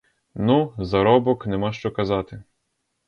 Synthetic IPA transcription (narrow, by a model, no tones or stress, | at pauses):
nuzɐɾɔbɔknɛmɑʃt͡ʃɔkɐzɑt̪ɪ